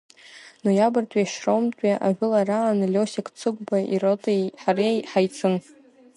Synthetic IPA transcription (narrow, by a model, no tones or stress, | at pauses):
nujabɨrtʼaʃromtʼaʔa̰ʕʷᶣɨlaraanɨlʲosakʼt͡sʰɨɡʷbaʔirotʼejħarejħajt͡sʰɨn